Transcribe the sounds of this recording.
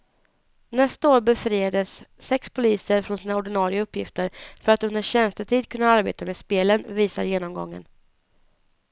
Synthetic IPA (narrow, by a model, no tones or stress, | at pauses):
nɛst̪aoːɾbɛfɾiːad̪əsːɛkspʰʊliːsəɾfɾɔnsiːnaɔɖɪnɑːɾɪaɵpːjɪft̪əɾfœɾat̪ɵnd̪əɕɛnst̪ət̪ʰiːd̪kʰɵnːaaɾbḛːt̪ameːspeːlənviːsa̰ɾjeːnɔmɡɔ̰ŋːə̰n